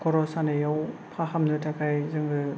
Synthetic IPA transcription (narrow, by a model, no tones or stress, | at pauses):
kɔɾɔsanajawpʰaɦamnɯtʰakʰajzɯŋɡɯ